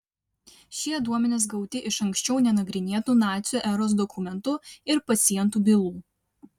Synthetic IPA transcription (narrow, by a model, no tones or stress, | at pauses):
ʃʲiɛd̪uɔmʲɛnʲeːs̬ɡɒʊt̪ʲɪʔɪʃɐŋʲkʲsʲt͡ʃʲɛʊnʲɛnɐɡɾʲɪnʲeːt̪uːˑnɑːt̪sʲuʔɛɾoːs̬d̪ɔkʰʊmʲɛnt̪ʊɪɾpɐt̪sʲɪjɛnt̪uːbʲɪlˠuː